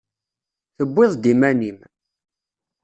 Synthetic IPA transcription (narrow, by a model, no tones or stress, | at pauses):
θəbʷːɪðˤd̪imænim